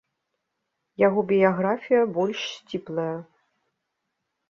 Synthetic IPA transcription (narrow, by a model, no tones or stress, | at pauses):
jaɣɔbʲijaɣɾafʲijɐbɔlʲʂsʲt͡sʲiplˠɐjɐ